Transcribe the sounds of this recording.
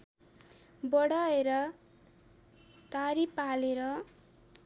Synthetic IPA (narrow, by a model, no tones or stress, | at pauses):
bʌɽaeɾʌ | t̪aɾipaleɾʌ